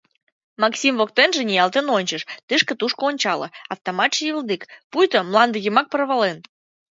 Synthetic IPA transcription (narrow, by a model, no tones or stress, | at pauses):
mɑksʲimvokt̪enʒĕnʲijɑlˠt̪enonʲt͡ɕəʃt̪ɨʃkə̆t̪uʃkoonʲt͡ɕɑlə̰ɑft̪omɑt̪ʃjild̪ikpujt̪omlˠɑnd̪əɣəmɑk̚pərβɑlen